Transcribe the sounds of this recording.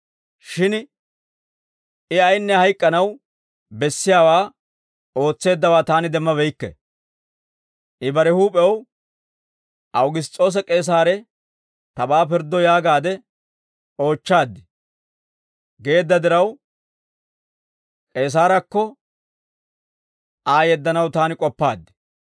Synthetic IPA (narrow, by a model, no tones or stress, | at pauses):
ʃɪn | ɪɐjnːɛhɐjkʼːɐnɐw | bɛsːɪjaːwaː | o̞ːt͡sːe̞ːd̪ːɐwaːt̪aːnɪd̪ɛmːɐβɛjkːɛ̰ | ʔɪbɐɾɛhuːpʼɛw | ʔɐwɡɪs̬t͡sʼo̞ːs̬ɛkʼe̞ːs̬aːɾɛ | t̪ɐbaːpɪɾd̪ːɔjaːɡaːd̪ɛ | o̞ːt͡ʃːaːd̪ːɪ | ɡe̞ːd̪ːɐd̪ɪɾɐw | kʼe̞ːs̬aːɾɐkːɔ | ʔaːjɛd̪ːɐnɐwt̪aːnɪkʼɔpːaːd̪ːɪ̥